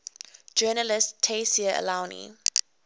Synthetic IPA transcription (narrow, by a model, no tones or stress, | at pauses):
d͡ʒɜːnəlɪstʰesiəə̰lãwnḭ